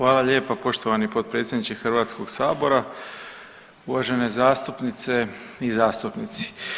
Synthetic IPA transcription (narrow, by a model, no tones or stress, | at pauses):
xʋaːlˠaʎe̞ːpapo̞ʃt̪oʋanipo̞d̪̚pɾe̞ːt̪sʲjed̪nit͡ʃixr̩ʋaːt̪sko̞ɡsaːbo̞ɾa | uʋaːʒe̞nezaːst̪upnit̪se̞izaːst̪upnit̪si̥